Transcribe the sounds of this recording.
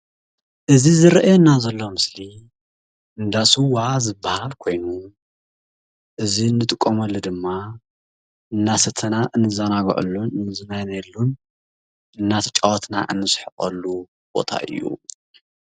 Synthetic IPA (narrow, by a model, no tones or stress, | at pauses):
ʔɨzizɨɾɐʔajonːazɐlːo̞mɨsli | ʔɨnd̪asuwazɨbahalkʰo̞jnu | ʔɨziɨnːɨt̪ʼɨkʼːomɐlːud̪ɨmːa | ɨnːasɐt̪ʰɐnaʔɨnːɨzanaɡ̰ʕṵlːunɨnɨzɨnajnajlːun | ɨnːat̪ʰɐ̥t͡ʃʼawɐt̪na̰ʔɨ̰nːɨsħɨχʼɐlːu | b̥o̞̰t̪ʰa̰ʔɨ̰jːṵ